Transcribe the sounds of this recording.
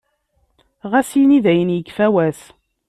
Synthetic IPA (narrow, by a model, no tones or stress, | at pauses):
ʁæsijniðæjənjəkːfæwæs